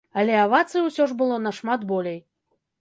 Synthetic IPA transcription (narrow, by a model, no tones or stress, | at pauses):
ɐlʲɛavat̪sɨwsʲɔʐbɨlˠɔnɐʂmat̪bɔlʲej